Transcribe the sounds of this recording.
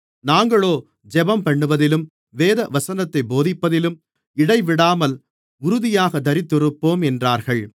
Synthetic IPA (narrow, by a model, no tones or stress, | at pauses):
naːŋɡɐɭoː | d͡ʒɛbɐmpɐɳːɯʋɐðɪlɯm | ʋeːðɐʋɐsɐnɐt̪ːɐɪboːðɪpːɐðɪlɯm | ɪɽɐɪʋɪɽaːmɐl | ʊɾʊðɪjaːɣɐd̪ɐɾɪt̪ːɯɾɯpːoːmɛndraːɾɣɐɭ